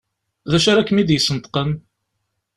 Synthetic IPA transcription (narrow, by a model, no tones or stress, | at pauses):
ðæʃaɾækːəmid̪jəsːənt̪ə̥qəm